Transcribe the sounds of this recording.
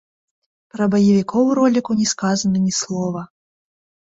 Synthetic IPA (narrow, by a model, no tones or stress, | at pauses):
pɾɐbɐjɐvʲikʰɔwɾɔlʲikunʲɛskazɐnɐnʲislˠɔvɐ